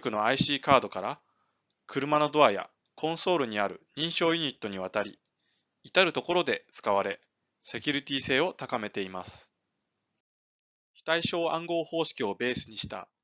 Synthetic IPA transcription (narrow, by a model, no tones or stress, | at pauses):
kɯ̟no̞aiɕiːkaːd̪o̞kaɾa | kɯ̟ɾɯ̟mano̞d̪o̞aja̰ | kʰõ̞ɰ̃so̞ːɾɯ̟ɲ̟iaɾɯ̟̰ɲ̟ĩɰ̃ɕo̞ːjiɲ̟it̪ːo̞ɲ̟iβ̞at̪aɾʲḭ | it̪aɾɯ̟t̪o̞ko̞ɾo̞d̪e̞t͡sɨ̥kaβ̞aɾe̞ | se̞kʲɯɾʲit̪ʲiːse̞ːo̞t̪akame̞t̪e̞imasɨ̥ | çi̥t̪aiɕo̞ːãŋɡo̞ːho̞ːɕi̥kʲio̞be̞ːsɨɲ̟iɕi̥t̪a̰